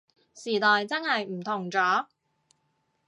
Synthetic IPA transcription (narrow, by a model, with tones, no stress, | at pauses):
siː˨˩t̪ɔː˨˧jt͡sɐ˥nhɐ˨jm̩˨˩t̪ʰʊ˨˩ŋt͡sɔː˨˥